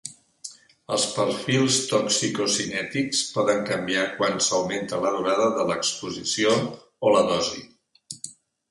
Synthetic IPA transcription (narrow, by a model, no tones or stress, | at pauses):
əlˠspəɾfilˠst̪ɔksikosinɛt̪ikspɔðəŋkəmbiakwansəwment̪ələðuɾaðəðələkspuzisioː | ləðɔzi